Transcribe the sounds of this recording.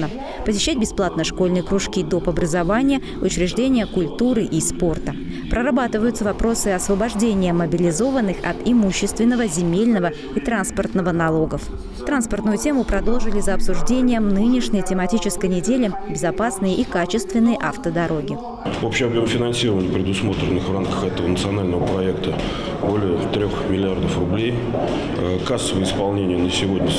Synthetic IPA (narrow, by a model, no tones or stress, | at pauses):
nə | pəsʲɪɕːæt̚ʲbʲɪsplˠat̪nəjʂko̞lʲnɨjəkɾʊʂkʲid̪o̞pɐbɾəzɐvanʲɪjə | ʊt͡ɕɾʲɪʐdʲenʲɪjəkʊlʲt̪uɾɨʔispo̞rt̪ə | pɾəɾɐbat̪ɨvəjʊt̪səvɐpɾo̞sɨɐsvəbɐʐdʲenʲɪjəməbʲɪlʲɪzo̞vənːɨxɐ̰t̪ɪmuɕːɪst̪vʲɪnːəvəzʲɪmʲelʲnəvə | it̪ɾanspərt̪nəvənɐlˠo̞ɡəf | t̪ɾanspərt̪nʊjʊtʲe̞mʊpɾɐd̪o̞lˠʐɨlʲɪzəɐpsʊʐdʲenʲɪjəmnɨnʲɪʂnʲəjtʲɪmɐtʲit͡ɕɪskəjnʲɪdʲelʲɪbʲɪzɐpasnɨjəʔikat͡ɕɪst̪vʲɪnːɨjəʔaft̪əd̪ɐɾo̞ɡʲɪ | opɕɪɐbjo̞mfʲɪnɐnsʲiɾəvənʲɪjəpɾʲɪd̪ʊsmo̞t̪ɾʲɪnːɨxvramkə̥xɛt̪əvənət̪sɨɐnalʲnəvəpɾɐɛkt̪ə | bo̞lʲɪjət̪ɾʲo̞xmʲɪlʲɪard̪əfrʊblʲej | əkasːəvəɪspɐlˠnʲenʲɪjənəsʲɪvo̞d̪ʲnʲə